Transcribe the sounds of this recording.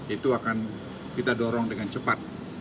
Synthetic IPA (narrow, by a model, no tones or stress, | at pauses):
it̪uakan | kit̪adɔɾɔŋdəŋant͡ʃəpat̪̚